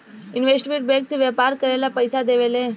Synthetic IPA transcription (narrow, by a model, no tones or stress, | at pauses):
inʋesʈʋiʈ̚bẽkt͡siʋjəpaɾkəɾelapəjsad̪eʋele